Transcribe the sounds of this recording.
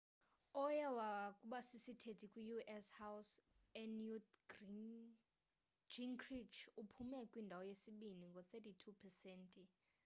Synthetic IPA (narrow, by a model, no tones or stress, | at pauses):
ɔjɛwakʼuɓasisitʰetʰʼikʼujuʔɛshawsɛnju | d͡ʒiŋkʰrit͡ʃʰupʰumekʼwindʱawɔjesiɓiniŋɡɔθʰɛtitʰupʰɛsɛːntʼi